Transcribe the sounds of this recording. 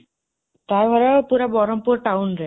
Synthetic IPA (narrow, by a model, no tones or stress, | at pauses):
t̪ajbʱɔɾapuɾabɔɾompuɾʈawnɾɛ